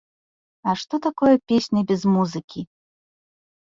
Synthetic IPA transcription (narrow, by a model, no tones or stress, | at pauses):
ɐʂt̪ɔt̪akɔjɛpʲesʲnʲɐbʲɛzmuzɨkʲi